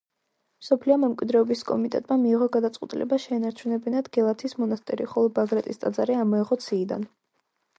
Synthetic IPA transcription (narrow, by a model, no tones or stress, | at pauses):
msɔpʰliɔmɛmkʼwid̪ɾɛɔbiskʼɔmit̪ʼɛ̰t̪ʼmamiːʁɔɡad̪at̪sʼqʼɛ̰t̪ʼilʔɛ̰baʃɛːnaɾt͡ʃʰunɛbɛnad̪ɡɛlˠat̪ʰismɔnast̪ʼɛɾḭχɔlˠɔbaɡɾat̪ʼist̪ʼad̪zaɾiamɔɛʁɔt̪sʰiːd̪a̰n